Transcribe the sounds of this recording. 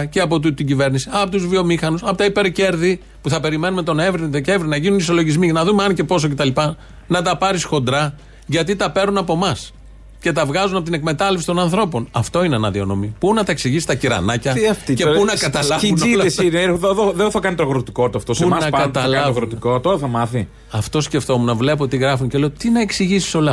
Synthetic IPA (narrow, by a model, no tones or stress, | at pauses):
ceɐpo̞t̪ut̪t̪iɟive̞ɾnisiɐpot̪uzvio̞mixɐnusɐpo̞t̪ɐipe̞ɾce̞ɾði | puθɐpe̞ɾime̞numet̪o̞nevɾiðece̞vɾinɐʝinuniso̞lo̞ʝizminɐðumeɐnce̞po̞s̬o̞ce̞t̪ɐlipɐ | nɐt̪̬ɐpɐɾisxo̞nd̪ɾɐ | ʝɐt̪̬it̪ɐpe̞ɾnunɐpo̞mɐs | ce̞t̪ɐvɣɐzunɐpo̞t̪ine̞kme̞t̪ɐle̞fsi̥t̪o̞nɐnθɾo̞po̞nɐft̪o̞ineɐnɐðio̞no̞mipunɐt̪ɐe̞ksiʝisist̪ɐciɾɐ̰nɐcɐɐfcepunɐkɐt̪ɐlɐunisineððoðenθɐkɐnit̪oɣɾot̪ikot̪ɐft̪osunɐkɐt̪ɐlɐvɣɾot̪ikot̪oɾɐθɐmɐθi | ɐft̪o̞sce̞ft̪o̞munɐvle̞p̬o̞t̪iɣɾɐfunce̞le̞ot̪inɐeksiʝisi̥so̞lɐ